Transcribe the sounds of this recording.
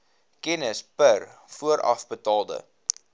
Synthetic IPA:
kɛnəspər | fuəɾʔɐ̰fbətɑːlˠdə̰

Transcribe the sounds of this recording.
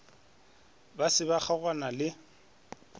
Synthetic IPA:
basɪbaχaɣwanalɪ

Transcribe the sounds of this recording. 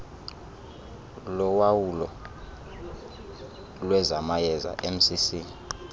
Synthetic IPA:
lɔwawulɔ | lwɛzamajɛza̰ʔem̩sisiːni

